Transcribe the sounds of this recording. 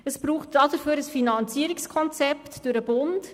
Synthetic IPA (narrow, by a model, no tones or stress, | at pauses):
əsbɾuːχtdɑdəɾføːɾəsfinɑnt͡siəɾikskʰɔnt͡sɛptd̥øɾəb̥ʊnt